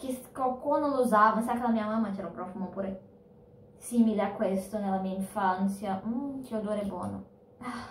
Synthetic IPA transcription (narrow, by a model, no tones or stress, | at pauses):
kiskokwononuzavasakːelamiːɐmamːat͡ʃɛɾupɾɔfumopuːɾe | simileakwest̪onelːamiːaiɱfant̪sjat͡ʃiod̪oɾɛbwɔ̰ːno | a